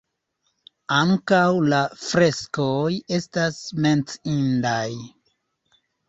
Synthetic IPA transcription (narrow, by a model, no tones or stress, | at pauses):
aŋkawlafɾe̞skoje̞stasme̞nt͡sindaj